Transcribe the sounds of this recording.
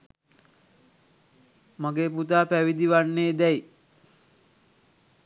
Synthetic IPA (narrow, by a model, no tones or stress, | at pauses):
maɡeːput̪aːpæʋid̪iʋanːeːd̪ɛj